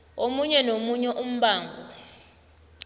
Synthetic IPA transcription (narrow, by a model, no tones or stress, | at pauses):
omuɲɛnomuɲɛʔum̩ɓaːŋʱɔ